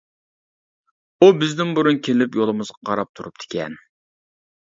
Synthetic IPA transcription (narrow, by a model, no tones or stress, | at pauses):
ubɪzd̪ɪnbuɾunkʲʰelɪpjolˠɨmɨzʁɑqʰɑɾɑp̚t̪ʰuɾup̚d̪ʰe̥kʲʰɛn